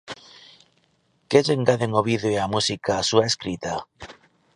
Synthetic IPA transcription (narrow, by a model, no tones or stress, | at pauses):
keʎeŋɡaðeŋoβiðeoeamusikaːsuaeskɾit̪a